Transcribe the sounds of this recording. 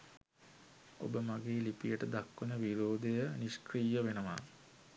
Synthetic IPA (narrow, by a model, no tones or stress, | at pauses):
o̰bəmaɡeːlipijəʈəd̪akːunəʋiɾoːd̪ejəniskrijəʋenəʋa̰